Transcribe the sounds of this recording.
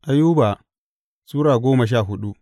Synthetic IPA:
ʔa˨juː˦baː˨ | suː˦ɽaː˨ɡʷoː˦mɐ˨ʃ̬aː˦˨ɦʊ˦ɗu˦ʔ

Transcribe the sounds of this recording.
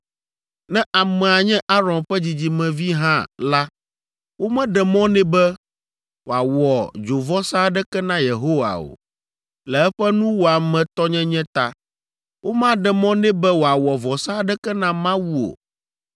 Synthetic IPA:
nɛ̃˦ʔa˨mɛ˨a˨ɲɛ̃˦ʔa˦ɾɔ̃˨nɸɛ˦d͡ʑi˨d͡ʑi˨mɛ̃˨vi˦ɦã̰˦la˦ | wo˦mɛ̃˦ɖɛ˨mɔ̃˦nɛ̃˦bɛ˦ | wo˨a˨wɔ˨d͡ʒo˨vɔ˦sa˦ɖɛ˦kɛ˦nã˦je˨ɦo˦wa̰˨o̰˨ | lɛ˨ɛ˦ɸɛ˦nũ˦wo˨a˨mɛ̃˨t̪ɔ˦ɲɛ̃˦ɲɛ̃˦t̪a˦ | wʔo˦mã˦ɖɛ˨mɔ̃˦nɛ̃˦bɛ˦wo˨a˨wɔ˨vɔ˨sa˦ɖɛ˦kɛ˦nã˦mã˦wu˦o̰˨

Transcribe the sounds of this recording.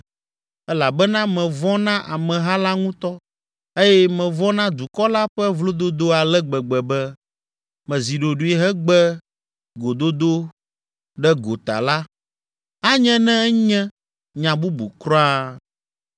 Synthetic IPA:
ɛ˦la˨bɛ˦nã˦mɛ̃˨vɔ˦nã˦ʔa˨mɛ̃˨ɦa˦la˦ŋũ˦t̪ɔ˦ | e˦jɛ˦mɛ̃˨vɔ̃˦nã˦d̪u˨kɔ˦la˦ɸɛ˦vlo˦d̪o˦d̪o˦a˨lɛ˦ɡ͡bɛ˨ɡ͡bɛ˨bɛ˦ | mɛ̃˨zi˨ɖo˨ɖu˨˦i˦ɦɛ˦ɡ͡bɛ˦ | ɡo˨d̪o˦d̪o˦ | ɖɛ˦ɡo˨t̪a̰˨la˦ | a˦ɲɛ̃˦nɛ̃˦ɛ˦ɲɛ̃˦ | ɲã˨bu˦bṵ˨kɾɔ̃˦a˦

